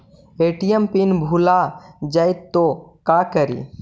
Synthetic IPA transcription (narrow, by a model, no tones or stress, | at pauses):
eʈijəmpinbʱulad͡ʒajt̪ːokakəɾḭ